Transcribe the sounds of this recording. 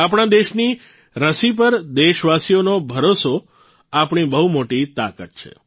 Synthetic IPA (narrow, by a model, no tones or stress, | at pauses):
apɳ̃ad̪eʃni | ɾəsip̬əɾd̪eʃʋasijonobʱəɾoso | apɳ̃ibəɦumoʈit̪a̰kət̪̚t͡ʃʰḛ